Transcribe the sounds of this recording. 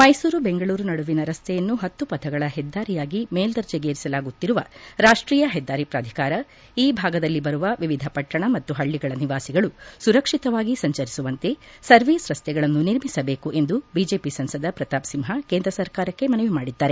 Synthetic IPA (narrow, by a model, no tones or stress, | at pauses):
mɐjsuːɾubeŋɡɐɭuːɾunɐɽuʋinɐɾɐst̪ʰɛjɐnːuɦɐt̪ːupɐt̪ʰɐɡɐɭɐɦɛd̪ːaːɾijaːɡimeːld̪ɐɾd͡ʒɛɡeːɾisɐlaːɡut̪ːiɾuʋɐɾaːʂʈɾiːjɐɦɛd̪ːaːɾipɾaːd̪ʱi̥kaːɾɐ | iːbʱaːɡɐd̪ɐlːibɐɾuʋɐʋiʋid̪ʱɐpɐʈːɐɳɐmɐt̪ːuɦɐɭːiɡɐɭɐniʋaːsiɡɐɭusuɾɐkʂit̪ɐʋaːɡisɐɲt͡ʃɐɾisuʋɐnt̪e̞sɐɾʋiːsɾɐst̪ʰjɛɡɐɭɐnːuniɾmisɐbe̞ːkuʔe̞nd̪ubiːd͡ʒe̞ːpisɐnsɐd̪ɐpɾɐt̪aːpsimɦɐkeːnd̪ɾɐsɐɾkaːɾɐkːe̞mɐnɐʋimaːɽid̪ːaːɾe